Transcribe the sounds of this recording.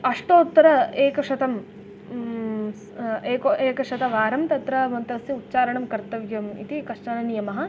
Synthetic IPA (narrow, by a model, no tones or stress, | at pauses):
ɐʂʈoːt̪ːɐɾɐeːkɐʂɐt̪ɐm | eːkoeːkɐʂɐt̪ɐʋaːɾɐmt̪ɐt̪ɾɐmɐnt̪ɐsjɐut̪̚ːt͡ʃaːɾɐɳɐmkɐɾt̪ɐʋjɐmḭt̪ikɐʂʈɐnɐnijɐmɐɦɐ